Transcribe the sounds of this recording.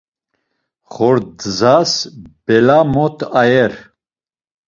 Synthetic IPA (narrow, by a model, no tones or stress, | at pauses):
χɔɾd̪zasb̥ɛlamɔt̪ʰajɛɾ